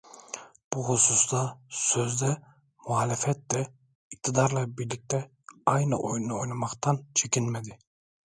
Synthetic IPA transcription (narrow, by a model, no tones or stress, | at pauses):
b̥uhususd̪ɑsøzd̪ɛ | muaːlɛfɛt̪̚d̪ɛ | ik̚t̪ʰɪd̪ɑɾlˠɑbiɾlik̚ʲt̪ɛ | ɑjnɨ̰ʔojnojnɑmɑqt̪ɑnt͡ʃʰekʲinmɛd̪ɪ